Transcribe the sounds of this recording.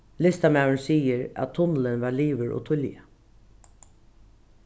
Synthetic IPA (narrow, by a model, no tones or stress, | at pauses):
lɪst̪amɑʊəɳsiːəɾa̰t̪ʰːʊnl̩ənʋɑːliːʋəɹʔo̰ːt̪ʰʊljə̰